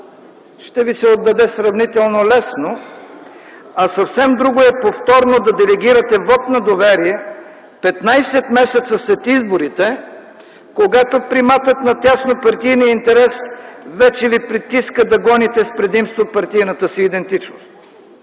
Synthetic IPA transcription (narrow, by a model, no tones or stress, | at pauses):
ʃt̪ɛvisɛod̪ːɐd̪ɛsɾɐvnit̪ɛlˠnolɛsno | ɐsɐfsɛmd̪ɾuɡoɛpoft̪ɔɾnod̪ɐd̪ɛlɛɡ̟ʲiɾɐt̪ɛvɔt̪nɐd̪ovɛɾiɛ | pɛt̪najsɛt̪mɛsɛt̪səsɛt̪izboɾit̪ɛ | koɡat̪opɾimat̪ət̪nɐt̪ʲjasnopɐɾt̪ijniəint̪ɛɾɛsvɛt͡ʃɛvipɾit̪iskəd̪ɐɡɔnit̪ɛspɾɛd̪imst̪vopɐɾt̪ijnɐt̪əsiːd̪ɛnt̪it͡ʃnost̪